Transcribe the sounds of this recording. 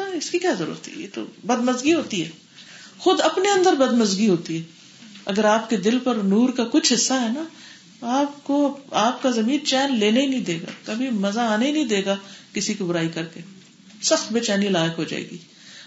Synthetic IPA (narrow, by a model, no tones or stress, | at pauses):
aɪskikjaːzɐɾṵɾət̪ʰḭjḛːt̪o̰bɐd̪məzɡiɦoːt̪iɦɛː | xʊd̪ɐpneɐ̃nd̪əɾbɐd̪mɐzɡiɦoːt̪iɦɛː | ɐ̰ɡəɾaːp̚ked̪ɪlpɐɾnuːɾkakʊt͡ʃʰɦɪsːaɦɛna | t̪aːp̚koaːpkazɐmĩːnt͡ʃɛːnleːnaɦinɐɦĩd̪eːɡa̰kɐbʱimɐzaaːnaɦinɐĩd̪eːɡakɪsikibʊɾaːikɐɾke | sɐxt̪̚beːt͡ʃaːnilaːjəkɦod͡ʒa̰ːḛːɡiː